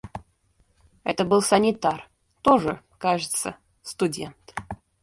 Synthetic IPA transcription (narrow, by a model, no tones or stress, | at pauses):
ɛt̪əbɨlˠsənʲɪt̪ar | t̪oʐɨ | kaʐɨt̪sə̰ | st̪ʊdʲḛnt̪